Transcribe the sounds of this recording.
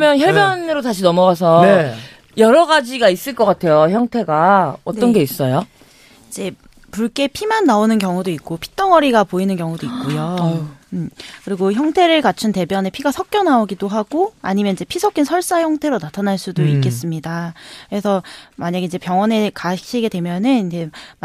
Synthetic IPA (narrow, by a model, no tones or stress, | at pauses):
mjʌnçʌbjʌnɯɾotaɕ̬ʰinʌmʌɡas̬ʰʌe | jʌɾʌɡad͡ʑiɡais͈ɯɭk͈ʌk͈atʰe̞joçjʌŋtʰe̞ɡaʌtt͈ʌnɡe̞is͈ʌjo | id͡ʑe̞ | puɭk͈e̞pʰimanːaonɯnkjʌŋudoik̚k͈opʰi̥t͈ʌŋʌɾiɡapoinɯnkjʌŋudoik̚k͈ojo | kɯɾiɡoçjʌŋtʰe̞ɾɯɭkat͡ɕʰunte̞bjʌne̞pʰiɡasʰʌk̚k͈jʌnaoɡidoɦaɡoa̰ɲimjʌniɲd͡ʑe̞pʰisʰʌkʰinsʰʌɭs͈açʌŋtʰe̞ɾonatʰanaɭs͈udoikk͈e̞s͈ɯmɲidaɯɾesʰʌmaɲaɡeind͡ʑe̞pjʌŋwʌne̞kaɕʰiɡe̞dwe̞mjʌnɯnind͡ʑe̞